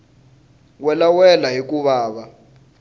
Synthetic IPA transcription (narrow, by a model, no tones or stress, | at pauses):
wɛlawɛlaɦik̬ʼuβaːɓa